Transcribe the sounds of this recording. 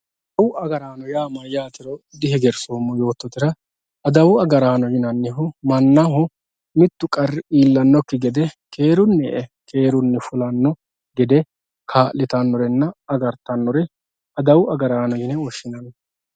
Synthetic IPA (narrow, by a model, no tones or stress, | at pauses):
ɐd̪ɐwʊɐɡɐɾaːnɔjaːmɐjaːt̪ɪɾɔd̪ɪɦɛɡɛɾsoːmːɔjo̞ːt̪ːɔt̪ɪɾɐ | ɐd̪ɐwʊɐɡɐɾaːnɔjɪnɐnːɪɦʊmɐnːaɦʊ | mɪt̪ːʊkʼɐrːɪiːlːɐnːɔkːɪɡɛd̪ɛkʰe̞ːɾʊnːɛɛkʰe̞ːɾʊnːɛfʊlɐnːɔ | ɡɛd̪ɛ | kʰaːʔlːɪt̪ɐnːɔɾɛnːɐɐɡɐɾt̪ːɐnːɔɾɛ | ɐd̪ɐwʊɐɡɐɾaːnɔjɪnɛɔʃːɪnɐnːɐ